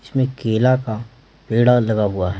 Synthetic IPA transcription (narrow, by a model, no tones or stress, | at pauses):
ɪsmẽkeːlaka | peːɽalɐɡaɦʊaɦɛ